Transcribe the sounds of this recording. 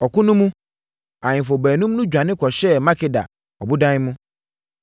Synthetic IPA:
ɔ˨kʊ˦nũ˦mũ˦ | ã˨ɲɪ̃˨fo˨bɛː˨nũ˦m˦nũ˦d͡ʑᶣã˨nɪ̃˦kʰɔ˨ɕɛ˦mã˦kʰɪ˨da̰˨ | ɔ˨bʊ˦dã˦nɪ̃˦mũ˦

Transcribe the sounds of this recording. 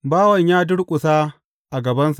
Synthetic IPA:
baː˦wɐ˨ɲjaː˦dʊ˦ɽkʷʼʊ˨saː˦ | ʔa˨ɡɐ˨bɐ˦nsḁ˦ʔ

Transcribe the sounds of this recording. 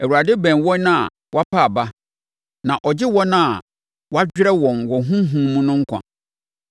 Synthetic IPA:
ɛ˨u˨ɾa˨dɪ˦bɛ̃˨nwɔ̃˦nã˦a̰˨ | wa˦pʰa˦a˨ba˦ | nã˨ʔɔ˨d͡ʑɪ˦wɔ̃˦nã˦a˨ | wa˦d͡ʑᶣɾɛ˦wɔ̃˨nwɔ˨ɦũ˦ɦũ˦mũ˦nʊ̃˦ŋ̩˦kʷʰã̰˨

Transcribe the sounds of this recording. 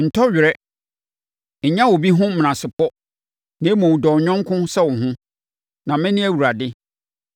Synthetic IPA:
n̩˨tʰɔ˦ɥᶣɪ˨ɾɛ˦ | ɲ̩˨ɲã˦wo˨bi˦ɦʊ̃˦m̃˨ã˨sɪ˨pʰɔ˦ | nẽ˨˦mɔ̃˨dɔ˨ɲᶣɔ̃˦ŋkʰʊ̃˦sɛ˦wʊ̃˨ɦʊ̃˦ | nã˨mɪ̃˦nɪ̃˦æ˨wu˨ɾa˨dɪ˦

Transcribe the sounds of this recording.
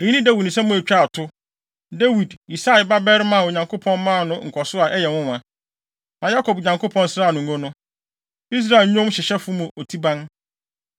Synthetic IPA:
e˨ɲĩ˦nĩ˦da˦wi˨dnʊ̃˨sɛ̃˦mʊ̃˦æ˨t͡ɕᶣa˦˨tʰʊ˦ | da˦wi˨di˨sa˦ɪ˨ba˦bɛ˦ɾmã˨o˨ɲã˨ŋkʰo˦pʰɔ̃˦nmã˦˨nʊ̃˦ŋ̩˨kʰɔ˨sʊ˦a˨ʔɛ˦jɛ˨wʊ̃˦˨ã˨ | mã˨ja˦kʰɔ˨bɲã˨ŋkʰo˦pʰɔ̃˦n˦sɾaː˦˨nʊ̃˨ŋ̩˨ɡo˦nʊ̃˦ | i˦s̬ɾa˦e˨lɲʊ̃˦mɕɪ˨ɕɛ˦fʊ˦mũ˨o˨tʰi˦bã˦n

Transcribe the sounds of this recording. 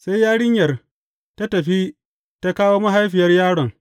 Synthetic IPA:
sa˦jːaː˦ɽɪ˦ɲjɐ˨r | ta˦tɐ˨ɸi˦ | ta˦kaː˦woː˦mɐ˦ɦa˦jɸɪ˨jɐ˦rjaː˦ɽɔ˨ŋ

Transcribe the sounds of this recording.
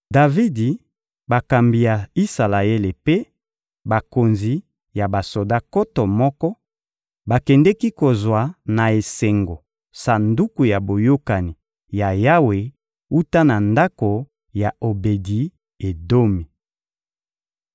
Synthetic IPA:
da˨vi˦di˨ | ba˨ka˨mbi˨ja˨i˦sa˨la˨e˦le˨pe˦ | ba˨ko˨nzi˨ | ja˨ba˨so˨da˦ko˦tɔ˨mɔ˦kɔ˦ | ba˨kɛ˨ndɛ˦ki˦ko˨zwa˨na˨e˨sɛ˨ŋɡo˨ | sa˨ndu˦ku˨ja˨bo˨jo˦ka˨ni˨ | ja˨ja˦we˨ | u˦ta˦na˨nda˦ko˨ | ja˨o˨be˨di˨˦ | e˨do˦mi˨

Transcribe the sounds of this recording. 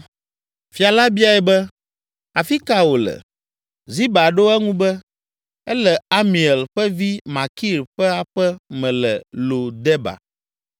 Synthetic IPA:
fi˨a˨la˦bi˦a˨ɛ˨bɛ˦ | a˨fi˦ka˦wo˨lɛ̰˨ | zi˦ba˨ɖo˦ɛ˦ŋũ˦bɛ˦ | ɛ˦lɛ˨a˦mĩ˨ɛ˨lɸɛ˦vi˦mã˨ki˦˨ɾɸɛ˦a˦ɸɛ˦mɛ̃˨lɛ˨lo˨d̪ɛ˦ba̰˨

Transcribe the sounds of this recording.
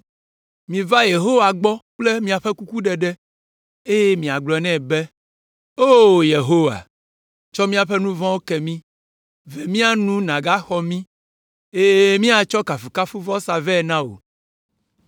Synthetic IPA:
mĩ˨va˦je˨ɦo˦wa˨ɡ͡bɔ˦k͡ple˦mĩ˦a˨ɸe˦ku˦ku˦ɖɛ˨ɖɛ˦ | e˦je˦mĩ˨a˨ɡ͡blɔ˨ɛ˨nɛ̃˦˨be˦ | o˦˨je˨ɦo˦wa̰˨ | t͡ʃɔ˦mĩ˦a˨ɸe˦nũ˦vɔ̃˦wo˦kɛ˨mĩ˦ | vɛ˨mĩ˦a˦nũ˦nã˨ɡa˦xɔ˦mĩ˦ | e˦je˦mĩ˦a˨t͡ʃɔ˦ka˨fu˨ka˦fu˦vɔ˦sa˨vɛ˦˨nã˦wo̰˨

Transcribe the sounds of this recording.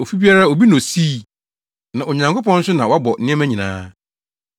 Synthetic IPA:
o˨fi˦bi˦a˦ɾa˦o˨bi˦nõ˨si˦˨ | nã˨ʔo˨ɲã˨ŋkʰo˦pɔ̃˦n̩˦sʊ˦nã˨wɔ˦a˦bɔ˨˦nɪ̃˦ɛ̃˦mæ̃˦ɲĩ˨nã̰ː˦

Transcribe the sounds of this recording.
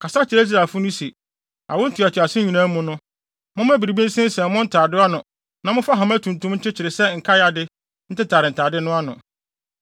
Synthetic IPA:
kʰa˨sa˦t͡ɕʰɪ˨ɾe˦s̬i˦ɾa˨fʊ˦nʊ̃˦se˨ | a̰˨wʊ˦n̩˦tʰu˨a˨tʰa˨sɪ˦ɲĩ˨nã˦mʊ̃˦nʊ̃˦ | mʊ̃˦m˦æ˦bi˨ɾi˨bi˦n̩˦sɪ̃˦n̩˦sɛ̃˨mʊ̃˦n̩˦tʰaː˨dɪ˦a˦nʊ̃˨ | nã˨mʊ̃˦fa˦ɦã˨m˦æ˦tʰũ˨n˨tũ˦mɲ̩ʰ˦ɪ˦t͡ɕʰɪ˨ɾɪ˨sɛ˦ŋ̩˨kʰa˦ja˨dɪ˦ | n̩˦tɪ˦tʰaː˨ɾɪ˨n̩˨tʰaː˨dɪ˦nʊ̃˦a˦nʊ̰̃˨

